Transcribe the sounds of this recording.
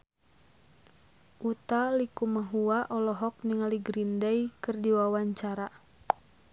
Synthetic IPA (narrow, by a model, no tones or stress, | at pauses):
ʔut̪alikumaɦuaʔɔlɔɦɔk̚niŋaliɡɾindɛjkɨrdiwawaɲt͡ʃaɾa